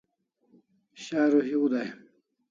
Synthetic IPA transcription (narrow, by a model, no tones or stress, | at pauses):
ɕaːɾuɦiud̪aj